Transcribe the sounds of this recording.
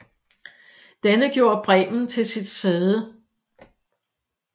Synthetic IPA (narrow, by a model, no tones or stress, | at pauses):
d̥ænəɡ̥jo̝ːɐb̥ʁɛ̰ːbn̩t͡sʰe̝lsid̥seðˠə